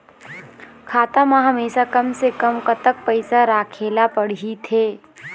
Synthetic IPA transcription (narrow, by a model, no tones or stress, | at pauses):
kʰaːt̪amãɦɐmeːʃakɐmsekɐmkɐt̪ək̚pɐɪsaɾaːkʰeːlapɐɽ̤ɦit̪ʰeː